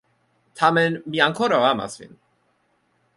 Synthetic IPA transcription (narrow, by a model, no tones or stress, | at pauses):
t̪ʰamɛnmijaŋkʰɔɾavama̰svḭn